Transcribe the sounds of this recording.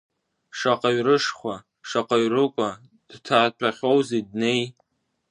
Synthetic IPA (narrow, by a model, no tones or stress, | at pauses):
ʂaqʼaɥrɨʂχʷa | ʂaqʼaɥrɨkʷʼa | d̥tʰaːtʷʰaχʲo̞wzed̚nej